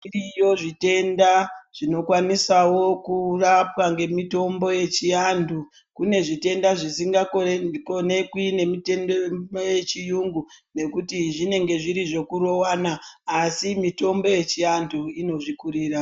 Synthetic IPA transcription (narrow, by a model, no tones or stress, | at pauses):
irijo̞ʐite̞ndaʐ̥ino̞kwanisawo̞kurapwaŋɡe̞mito̞mbo̞je̞t͡ʃiandu | kune̞ʐite̞ndaʐisiŋɡakone̞kwine̞mitendooje̞t͡ʃijuŋɡune̞kutiʐine̞ŋɡe̞ʐiɾiʐo̞kuɾo̞wanaːsimito̞mbo̞je̞t͡ʃianduino̞ʐikuɾiːra